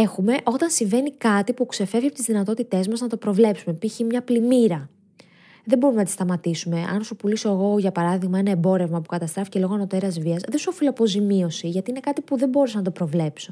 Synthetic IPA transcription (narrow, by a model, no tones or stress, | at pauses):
e̞xume̞ʔo̞t̪ɐnsiɱve̞nikɐt̪ipukse̞fe̞vʝiɐpot̪izðinɐt̪o̞t̪it̪e̞zmɐznɐt̪opɾo̞vle̞psumepiçimɲɐplimiɾɐ | ðe̞mbo̞ɾumenɐt̪i̥st̪ɐmɐt̪isume̞ʔɐ̰nsupulisoeɣo̞ʝɐpɐɾɐðiɣmɐenɐebo̞ɾe̞vmɐpukɐt̪ɐst̪ɾɐfi̥ce̞lo̞ɣono̞t̪e̞ɾɐzviɐsðesuofiloɐpo̞zimio̞siʝɐt̪iine̞kɐt̪ipuðe̞mbo̞ɾesɐnɐt̪o̞pɾo̞vle̞pso